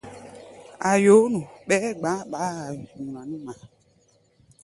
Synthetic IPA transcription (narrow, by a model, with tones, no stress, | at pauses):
a˨jo˨˦nũ˨ɓɛ˦ɡ͡bã˨˦ɓa˨˦a˨jŋũ˨ã˨nũ˦mã˨